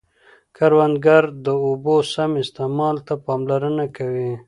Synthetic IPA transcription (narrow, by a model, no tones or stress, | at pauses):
kaɾwand̪ɡaɾd̪əobosamɪst̪emɑlt̪apɑːmlaɾənakawi